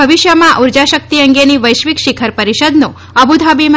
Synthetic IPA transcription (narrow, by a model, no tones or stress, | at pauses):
əʋiʃjəmãʔuɾd͡ʒaʃək̚t̪iəŋɡeniʋəjʃʋikʃikʰəɾpəɾiʃəd̪nõ | əbud̪ʱabima